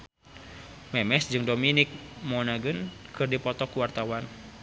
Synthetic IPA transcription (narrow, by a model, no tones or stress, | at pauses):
mɛmɛsd͡ʒɨŋdominɪk̚mɔnaɡɨnkɨrdipɔt̪ɔkuwart̪awan